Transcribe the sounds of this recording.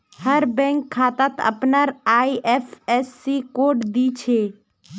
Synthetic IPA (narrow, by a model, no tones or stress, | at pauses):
həɾbɛ̃ŋkʰːaːt̪at̪ə̰pnaɾaːiʔefʰesːikoːɖd̪it͡ʃʰeː